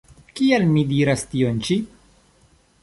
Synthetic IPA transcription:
kialmidiɾast̪iont͡ʃi

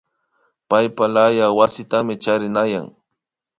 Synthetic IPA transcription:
pajpalajawasɪt̪amɪt͡ʃaɾɪnaja̰ŋ

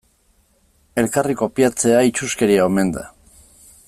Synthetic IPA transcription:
e̞lkariko̞piat͡se̞ait͡ʃuske̞ɾiaome̞nd̪a̰

